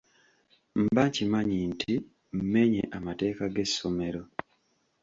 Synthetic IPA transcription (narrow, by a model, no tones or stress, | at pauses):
m̩baɲcimaɲintʰi | m̩me̞ɲḛʔamate̞ːkaɡe̞sːo̞me̞ɾo̞